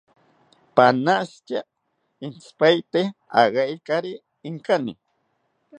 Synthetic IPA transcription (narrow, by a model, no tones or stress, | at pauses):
panast͡ʃa | ɪnt͡spajt̪ea̰ɢajkaɾɪː | ŋkanɪ̰